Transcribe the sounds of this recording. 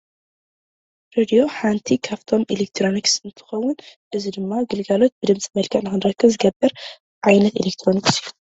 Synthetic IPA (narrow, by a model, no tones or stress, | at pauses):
ɾed̪ijo̞ħant̪ʰikʰaβt̪ʰo̞mʔelek̚t̪ʰɾo̞niksɨnt̪ʰɨ̥xɐwːʊnʔɨzid̪ɨmːaɡɨlɡalo̞t̪̚bɨd̪ɨmsʼimɐlkʰɐʕnɨxɨnɾɐkʰːɨβzɨɡɐbːɐɾ | ʕajnɐt̪elek̚t̪ʰɾo̞niksiju̥